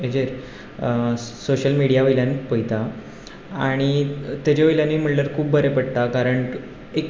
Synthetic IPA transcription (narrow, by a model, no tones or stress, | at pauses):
ed͡ʑeɾ | soɕəlmiɽijaʋəjljanipəjt̪a | aɽ̃it̪ad͡ʑeʋəjljanːiːm̤əʈlaɾkʰuːbbʱəɾepəɽt̪akaɾəɳ | ek